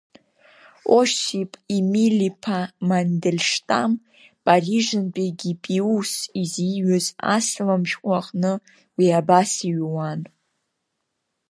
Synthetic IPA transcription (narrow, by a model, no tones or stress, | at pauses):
oʃipʼimilipʰamandelʲʂtʼam | pʼariʒɨnpʼiɡʲipʼiusiziɥʏza̰slamʃᶣqʷʼaχʼnɨ | wiabasiɥwan